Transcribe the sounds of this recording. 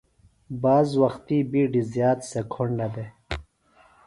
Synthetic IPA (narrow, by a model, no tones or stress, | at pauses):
baːzwɐxt̪ibiɖizjaːt̪sekʰoɳlɐd̪e